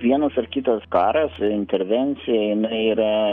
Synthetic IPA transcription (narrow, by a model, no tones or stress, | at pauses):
ʋʲiɛnɐsɐrkʲɪt̪ɐskɑːɾɐsɪnʲt̪ʲɛɾʲʋʲɛnʲt̪sʲɪjɛjɪnɐɪiːɾɐ